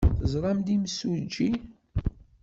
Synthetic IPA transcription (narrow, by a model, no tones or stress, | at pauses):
θəzˤɾˤɑmd̪iməsud͡ʒi